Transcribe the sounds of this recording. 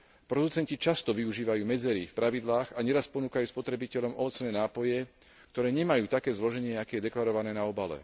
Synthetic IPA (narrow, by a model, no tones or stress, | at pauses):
pɾɔd̪ut͡sɛncit͡ʃast̪ɔʋiuʒiːʋajuːmɛd͡zɛɾifpɾaʋid̪laːɣaɲɛɾaspɔnuːkajuːspɔt̪ɾɛbicɛʎɔmɔʋɔt͡snɛːnaːpɔjɛ | kt̪ɔɾɛːɲɛmajuːt̪akɛːzlɔʒɛɲɪɛakɛːjɛd̪ɛklaɾɔʋanɛːnaɔbalɛ̰